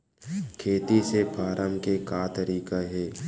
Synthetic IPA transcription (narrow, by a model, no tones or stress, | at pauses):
kʰeːt̪isepaːɾʔəmkekaːt̪əɾiːkaɦɛː